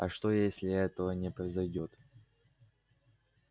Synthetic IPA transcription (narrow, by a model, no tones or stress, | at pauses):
ɐʂt̪ojesʲlʲɪɛt̪əvənʲɪpɾəɪzɐjdʲo̞t̪